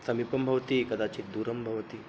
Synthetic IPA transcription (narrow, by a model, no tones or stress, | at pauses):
sɐmipɐmbʱɐʋt̪ikɐd̪at͡ɕiːd̪uɾɐmbʱɐʋt̪i